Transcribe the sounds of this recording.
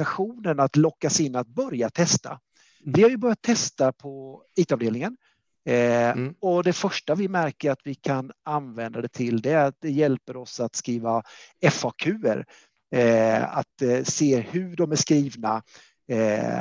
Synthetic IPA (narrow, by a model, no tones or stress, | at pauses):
aɧuːnənat̪lɔkːasɪnːat̪̚bœɾjat̪ʰɛst̪a̰ | vɪhaɾjɵbœɾjat̪ʰːɛst̪apʰɔiːt̪ɑvd̪eːlnɪŋən | ɔd̪ɛfœʂʈavɪmæɾkəɾat̪vɪkʰananvɛnd̪ad̪ɛt̪ʰɪld̪ɛat̪̚d̪ɛjɛlpəɾɔsat̪skɾiːvaɛfɑkʰʉ̟ːə̰ɾ | a̰t̪seːhɵɖɔmæʂkɾiːvna